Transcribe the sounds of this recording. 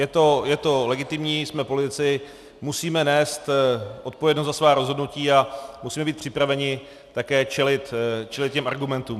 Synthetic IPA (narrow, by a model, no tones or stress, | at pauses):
jɛt̪o̞jɛt̪o̞lɛɡɪt̪ɪmɲiːsmɛpo̞lɪt̪ɪt͡sɪ | musiːmɛnɛːst̪ʔo̞t̪̚povjɛdnost̪zasvaːɾozɦo̞dnuciːamusiːmɛbiːt̪̚pr̝̥ɪpɾavɛɲɪ | t̪akɛːt͡ʃɛlɪt̪t͡ʃɛlɪt̪̚cɛmʔaɾɡumɛnt̪uːm